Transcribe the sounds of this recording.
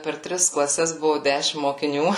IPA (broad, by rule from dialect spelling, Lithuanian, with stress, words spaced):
pʲɛr ˈtʲrʲɪs klˠɐˈsʲɛs ˈbʊʋʊ ˈdʲæʃʲɪm moːkʲɪˈnʲuː